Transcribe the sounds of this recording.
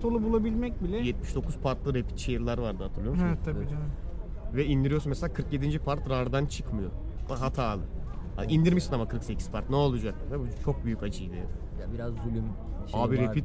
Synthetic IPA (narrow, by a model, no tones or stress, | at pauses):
t̪ʰolˠubulˠabilʲmɛc̚bilʲɛjɛt̪̚miʃd̪o̞kʰuz̥pʰaɾt̪lˠɯɾepʰi̥t̪t͡ʃʰejɯɾlˠaɾvaɾd̪ɯɦat̪ʰɯɾlˠɯjosɛɛt̪ʰːab̪id͡ʒɛnvɛind̪iɾijosunmɛselʲaːkʰɯɾkje̞d̪ind͡ʒipʰaɾt̪ɾaɾd̪ant͡ʃʰɯkmɯjoaɦat̪ʰaːlˠɯa̰ʔind̪iɾmiʃsinamakʰɯɾksecʰi̥z̥pʰaɾt̪nɛolˠud͡ʒak̚t̪t̪ʰabit͡ʃʰo̞k̚byjycad͡ʒɯjd̪ɯ | abiɾazːylʲymaːbiɾeit̪